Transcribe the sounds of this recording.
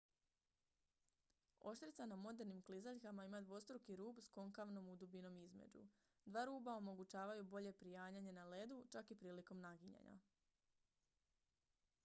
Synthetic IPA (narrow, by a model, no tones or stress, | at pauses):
o̞̰ʃt̪ɾit̪sanamo̞d̪e̞ɾnimklizaʎkamaimad̪ʋo̞st̪ɾokiɾuːbsko̞ŋkaʋno̞mud̪ubino̞mizme̞̰d͡ʑṵ | d̪ʋaːɾuːbao̞mo̞ɡut͡ʃaːʋajubo̞ʎe̞pɾijaːɲaɲe̞nale̞d̪ut͡ʃakipɾiːliko̞mnaɡiɲa̰ɲa̰